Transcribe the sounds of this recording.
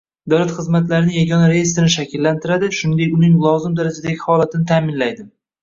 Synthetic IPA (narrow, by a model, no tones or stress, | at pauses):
d̪awlat̪χɨzmat̪laɾɪnɪjaɡɒnaɾejest̪ɾɪnɪʃakʲʰɪlːant̪ʰɪɾad̪ɪʃʊnɪd̪ekʲʊnɪŋlˠɒwzɪmd̪aɾad͡ʒad̪aɡʲɪhɒlat̪ʰɪnɪt̪ʰaːmɪnlajd̪ɪm